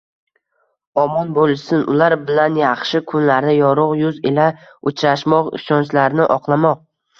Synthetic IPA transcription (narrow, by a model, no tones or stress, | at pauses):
ɒmɒnbolˠsɪnʊlaɾbɪlanjɑχʃɪkʰʊnlaɾnɪjɒɾʊqjʊzela | ʊt͡ʃʰɾaʃmɒqɪ̰ʃɒnt͡ʃlaɾnɪʔɒqlˠamɒq̚